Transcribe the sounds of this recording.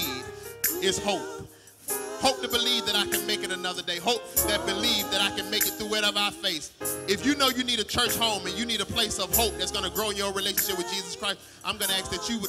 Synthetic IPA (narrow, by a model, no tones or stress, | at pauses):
vɪz̥hoʊp̚ | hoʊp̚tɨbɨlivðɨɾaɪkɨ̃nmeɪkɨɾɨnʌðə˞deɪɦoʊp̚ðɨt̚b̥ɨlivðɨɾaɪkɨ̃nmeɪkɨt̪̚θuɛɾʌvaʊə˞feɪθɨfjɨnoʊjɨniɾɨt͡ʃʰɜ˞t͡ʃhõʊ̃mɨ̃njɨniɾəpʰl̥eɪsʌv̥ɦoʊp̚ðɨtsɡ̥ʌnɨɡɹoʊɨ̃njə˞ɹileɪʃn̩ʃɪp̚wɨðd͡ʒizɨskʰɹ̥aɪst | ʔãɪ̃mɡʌnɨæs̚ðɨt͡ʃɨw